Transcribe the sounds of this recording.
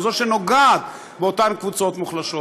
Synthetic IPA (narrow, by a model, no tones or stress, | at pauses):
zoʃeno̞ɡad̪ | beot̪ankvut͡sot̪muχlaʃo